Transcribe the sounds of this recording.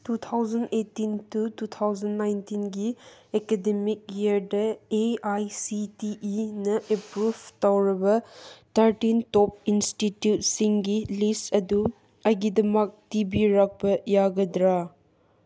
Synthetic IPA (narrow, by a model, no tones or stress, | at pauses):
tut̪ʰawzɐnetːintutut̪ʰawzɐnːajntinɡiekedemik̚jiɾdɐeajsitiʔinɐʔepɾubtawɾɐbɐt̪ʰɐɾtintɔp̚institjut̚siŋɡilistɐdu | ɐɡidɐmɐk̚tibiɾak̚bɐjaɡɐdɾa